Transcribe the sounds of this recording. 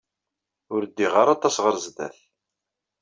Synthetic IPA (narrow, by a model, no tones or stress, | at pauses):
ʊɾd̪ːiʁaɾˤɑt̪ˤːɑsʁəɾzd̪æ̰θ